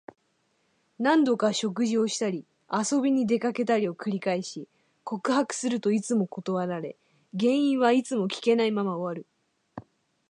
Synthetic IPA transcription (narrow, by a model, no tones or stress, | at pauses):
nãnd̪o̞kaɕo̞k̬ɯ̟ʑio̞ɕi̥t̪aɾʲi | aso̞bʲiɲ̟id̪e̞kake̞t̪aɾʲio̞kɯ̟ɾʲikaiɕi | ko̞kɯ̟hakɯ̟̥sɨɾɯ̟t̪o̞it͡sɨmo̞ko̞t̪o̞βaɾaɾe̞̰ | ɡẽ̞ɰ̃ĩɰ̃βait͡sɨmo̞kʲi̥ke̞naimamaoβaɾɯ̟